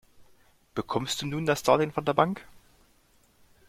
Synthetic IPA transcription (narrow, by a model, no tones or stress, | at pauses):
b̥əkʰɔmstd̥uːnuːndasd̥aːlɪnfɔndeːɐbaŋk